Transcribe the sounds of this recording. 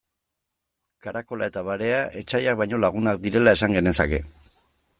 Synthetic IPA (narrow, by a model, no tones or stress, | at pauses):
kaɾako̞lae̞t̪aβaɾe̞aʔe̞t͡ʃajak̚bajɲo̞laɣ̞unakd̪iɾe̞lae̞saŋɡe̞ne̞sake̞